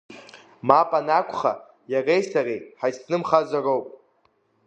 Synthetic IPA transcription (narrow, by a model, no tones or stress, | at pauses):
mapʼanakʷʰχa̰ | jarejsarejħajsnɨmχazarowpʼ